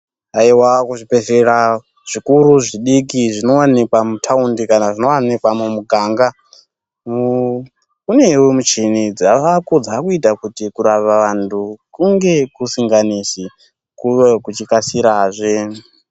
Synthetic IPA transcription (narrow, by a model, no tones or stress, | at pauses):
aiwakuʐipeʃeɾa | ʐ̥ikuɾuʐiɗik̬iʐino̞wanekwamutʰaundikanaʐino̞wanekwamumuɡʱaːŋɡa | mu | une̞womut͡ʃinid͡zaʋakud͡zakuitakutikuɾaʋaʋantʰukuŋɡe̞kusiŋɡanisi | kuekut͡ʃikasiɾaʐe